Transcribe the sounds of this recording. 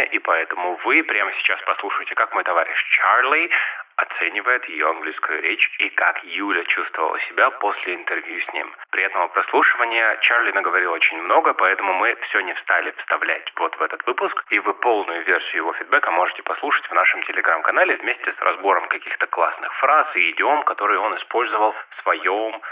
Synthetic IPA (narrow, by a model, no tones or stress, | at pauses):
əʔipɐɛt̪əmʊvɨpɾʲaməsʲɪ̥t͡ɕaspɐslˠuʂɨjɪtʲɪkakmo̞jt̪ɐvaɾʲɪ̰ɕt͡ɕarlʲiɐt̪sɛnʲɪvəjɪt̪jɪjoɐnɡlʲijskʊjʊ̰ɾʲet͡ɕikakjulʲət͡ɕust̪vəvə̰lˠə̰sʲɪbʲapo̞sʲlʲɪɪnt̪ɨrvʲjusʲnʲḭmpɾʲɪɛt̪əməpɾɐslˠuʂɨvənʲɪjət͡ɕarlʲɪnəɡəvɐɾʲilˠot͡ɕɪnʲmno̞ɡəpɐɛt̪əmʊmɨfsʲonʲɪfst̪alʲɪfst̪ɐvlʲæ̰tʲvo̞t̪vɛt̪ət̪vɨpʊskivɨpo̞lˠnʊjʊvʲersʲɪjʊjɪvo̞fʲɪd̪̚bɛkəmo̞ʐɨtʲɪ̥pɐslˠuʂə̥tʲvnaʂɨmtʲɪlʲɪɡɾamkɐnalʲɪvmʲesʲtʲɪsrʔɐ̰zbo̞ɾəmkɐkʲixt̪ə̥klˠasnɨxfɾazɪɪdʲɪomkɐt̪o̞ɾɨjʊo̞nɨspo̞lʲzəvəlˠfsvɐjo̞m